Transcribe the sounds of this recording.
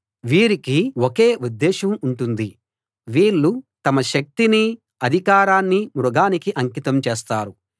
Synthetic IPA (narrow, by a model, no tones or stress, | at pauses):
ʋiːɾikiwokeːud̪ːɛːʃɐmuɳʈund̪i | ʋiːɭːut̪ɐmɐʃɐk̚t̪ini | ɐd̪ʱikaːɾaːnːimɾuɡaːnikiʔɐŋkit̪ɐmt͡ʃeɛːst̪aːɾu